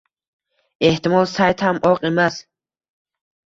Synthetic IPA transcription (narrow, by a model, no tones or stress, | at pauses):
eht̪imɔlsajt̪hamʔɔqʼimas